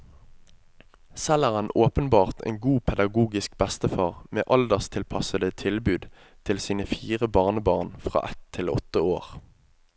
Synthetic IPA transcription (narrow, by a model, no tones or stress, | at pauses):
sɛləʁənoːpənbɑːʁt̪ʰḛːŋɡuːpʰɛd̪ɑɡuːɡɪsk̚bɛst̪əfɑːʁmḛːʔɑld̪əʁst̪ʰɪlpʰɑsəd̪ət̪ʰɪlbʉːd̪ | t̪ʰɪlsiːnəfiːʁəbɑːʁnəbɑːʁnfʁɑ̰ːʔɛt̪ʰːɪlɔ̰t̪ːəoːʁ